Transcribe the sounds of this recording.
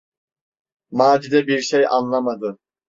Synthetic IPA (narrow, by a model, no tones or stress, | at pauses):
maːd͡ʒid̪ɛbiɾʃeja̰nlˠamad̪ɯ